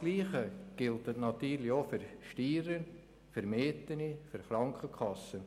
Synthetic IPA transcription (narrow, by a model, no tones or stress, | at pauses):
ɡ̥liːχəɡ̥ɪltətnɑt̪yːɾlɪofyɾʃtiːɾən | fəɾmeːtənifyɾχɾɑŋkʰəkʰχɑsːən